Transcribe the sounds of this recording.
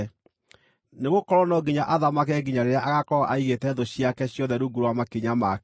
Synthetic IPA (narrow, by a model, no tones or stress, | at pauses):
neɣokɔɾwɔnɔɡiɲaʔaðamakɛɡiɲaɾeɾejaʔaɣakɔaʔaiɣetɛðoɕiakɛɕjɔðɛɾuɡuɾowamakeɲamak